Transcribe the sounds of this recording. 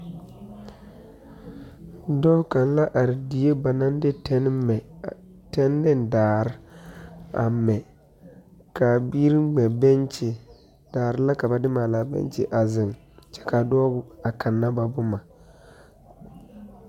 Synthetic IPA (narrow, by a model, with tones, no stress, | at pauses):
dɔ˦ka˨n˦la˦ʔa˨ɾɪ˨di˨je˦ba˨na˦n˦dɪ˦tɛ˦n˦ɛ˨ | tɛ˦nː˦ɪ˦ndaː˨ɾɪ˦ | a̰˨mɛ˨ | ka˨bi˦ɾɪ˦ɡ͡bɛ˨bɛ˦nt͡ʃɪ˨ | d̥aː˨ɾɪ˦la˦ka˨ba˨dɪ˦maː˨laː˨bɛ̰˦nt͡ʃɪ˨ʔa˨zɪ˨ŋ | t͡ʃɛ̥˦ka˨dɔ˦ɡʊ˨a˨ka˨nːa˦ba˨bʊ˦ma˨